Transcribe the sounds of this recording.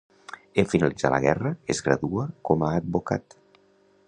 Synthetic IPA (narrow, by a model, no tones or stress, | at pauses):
eɱfinalid͡za̰lə̰ɣ̞ɛrəezɣɾə̰ðuəkɔmaːd̪̚boka̰t̪